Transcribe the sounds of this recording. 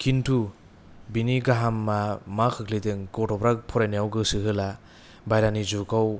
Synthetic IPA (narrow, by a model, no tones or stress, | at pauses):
kʰintʰu | biniɡaɦamːamakʰɯkʰlidɯŋɡɔtʰɔbɾak̚pʰɔɾajnijawɡɯsɯɦɯla | bajɾanizukaw